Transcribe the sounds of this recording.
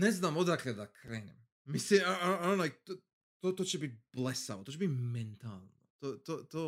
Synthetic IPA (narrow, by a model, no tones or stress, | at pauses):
neznamod̪akled̪akʰɾeːnem | mislionajt̪o | t̪ot̪ot͡ʃebit̪̚ʲb̥lesa̰ʋot̪ot͡ʃebit̪ment̪alˠnot̪ot̪ot̪oː